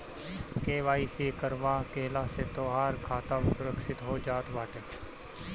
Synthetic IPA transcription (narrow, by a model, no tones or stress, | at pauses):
keːʋaːiːseːkəɾʋaːkeːlaːseːt̪oːɦaːɾkʰaːt̪aʋɪsʊɾəkʃɪt̪ɦoːd͡ʒaːt̪ʋaːʈeː